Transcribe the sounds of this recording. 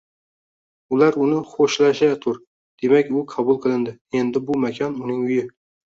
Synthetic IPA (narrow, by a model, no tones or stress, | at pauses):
ʊlaɾʊnɪχoʃlaʃat̪ʰʊɾ | d̪̥e̞makʲʊqʰɑbʊlˠqʰɨlˠɪnd̪ɪe̞nd̪ɪbʊmakʲʰɒnʊnɪŋʊjɪ